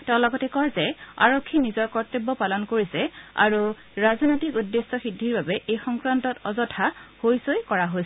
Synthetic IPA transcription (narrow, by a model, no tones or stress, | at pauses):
tɛʊ̃lɔɡɔtɛkɔɹzɛa̰ɹokʰːinizɔɹkɔɹtebːɔpalɔnkoɹisɛa̰ɹu | ɹaznotikudːesːɔxidʱːiɹbabɛʔejxɔŋkɹantɔtɔzɔtʰahojsojkɔɹaɦojs